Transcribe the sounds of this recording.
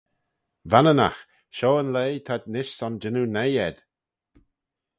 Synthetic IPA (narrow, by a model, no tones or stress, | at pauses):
vanəna̰x | ʃoːənleːt̪ʰadnɪʃsɔnd͡ʒɪnunejɛd̪̥